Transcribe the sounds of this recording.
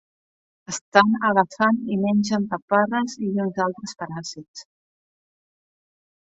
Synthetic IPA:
əst̪anəɣəfanimɛnʲʒəmpapaɾəziunzalˠt̪ɾəspəɾazits

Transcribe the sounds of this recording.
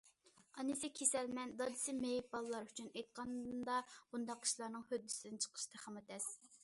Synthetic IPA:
ɑnɨsɪkʲʰesɛlmɛnd̪ɑd̪ɨsɪmejip̚bɑlˠlˠɑɾyt͡ʃʰynejt̪̚qɑnd̪ɑb̥und̪ɑqi̥ʃlˠɑɾnɨŋhød̪ːysɪd̪ɪnt͡ʃʰə̥qʰə̥ʃt̪ʰɛχɑmɨt̪ʰɛs

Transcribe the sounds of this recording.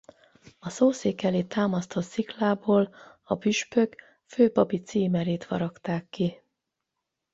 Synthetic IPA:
ɒsoːseːkɛleːt̪aːmɒst̪ʰo̞t̪siklaːboːl | ɒpyʃpø̞k | føːpɒpit̪siːmɛɾeːt̪ʋɒ̰ɾɒkt̪aːkːi

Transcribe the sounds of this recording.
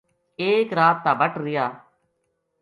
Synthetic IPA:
eːkɾaːt̪ːãːbəʈɾɪjaː

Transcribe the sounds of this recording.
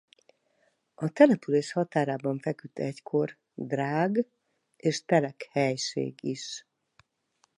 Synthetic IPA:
ɒt̪ɛlɛpyleːʃhɒt̪aːɾaːbɒɱfɛkyt̪ʰːɛckʰo̞r | d̪raːɡ | eːʃt̪ɛlɛkhɛjʃḛːɡiʃ

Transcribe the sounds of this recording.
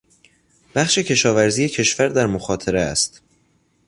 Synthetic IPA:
b̥æxʃe̞cʰe̞ʃɒːvæɾziːje̞cʰe̞ʃvæɾd̪æɾmoxɒːt̪ʰeɾeæ̰st̪

